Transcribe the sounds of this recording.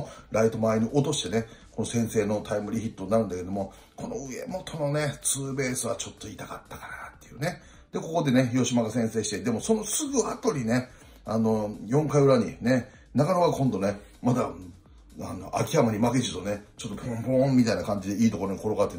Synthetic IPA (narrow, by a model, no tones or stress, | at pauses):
ɾait̪o̞maeɲ̟iʔot̪o̞ɕi̥t̪e̞ne̞ko̞no̞sẽ̞ɰ̃se̞ːno̞t̪ʰaimɯ̟ɾʲiçʲit̪ːonaɾɯ̟̃nd̪akeed̪omo̞ | ko̞noɯ̟e̞̰mo̞t̪ʰo̞no̞ne̞t͡sɨːbe̞ːsɨβat͡ɕo̞t̪ːo̞it̪akat̪ːḁkaɾaat̪ːe̞jɯ̟ːne̞ | d̪̥e̞ko̞ko̞d̪e̞ne̞jo̞ɕimaɡasẽ̞ɰ̃se̞ːɕi̥t̪ed̪e̞mo̞so̞no̞sɨɡɯ̟at̪o̞ɾʲine̞ | ano̞jõ̞ŋkaiɯ̟ɾaɲ̟ine̞ | naɡaɾoɡakõnd̪o̞ne̞ | mad̪a | a̰no̰ʔa̰kʲiamaɲ̟imaked͡ʑit̪o̞ne̞t͡ɕo̞t̪ːopʰõmpõmmːʲit̪ainakãɲ̟d͡ʑid̪e̞iːt̪o̞ko̞ɾoɲ̟iko̞ɾoɡat̪ːe